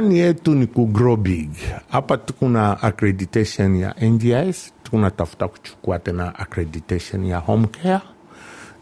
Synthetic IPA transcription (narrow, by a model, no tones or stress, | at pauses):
anijɛtunikuɡɾɔbiɡhapatukunaʔakɾɛditɛʃɔnja̰ʔɛndiajstu̥kunatafu̥taku̥t͡ʃu̥kuatɛnaʔakɾɛditɛʃɔnjahɔm̩kɛa